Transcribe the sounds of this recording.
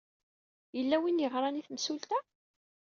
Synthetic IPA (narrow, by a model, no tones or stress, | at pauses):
jəlːæwinjəʁɾˤɑniθmsult̪æ